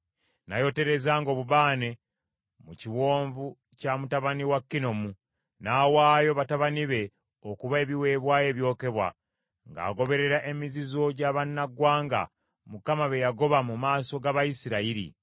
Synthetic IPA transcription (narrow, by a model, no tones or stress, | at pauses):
najo̞te̞ɾe̞zaːŋɡo̞βuβaːne̞ | muciwo̞ːɱvu | camutaβaniwakːino̞mu | nawaːjo̞βataβaniβe̞ | okuβae̞βiwe̞ːβwaːje̞ːβjo̞ːke̞βwa̰ | ŋɡa̰ːɡo̞βe̞ɾe̞ɾaʔe̞mizizo̞ɟaβanːaɡwaːŋɡa̰ | mukamaβe̞jaɡo̞βamumaːso̞ɡaβajisiɾaiɾḭ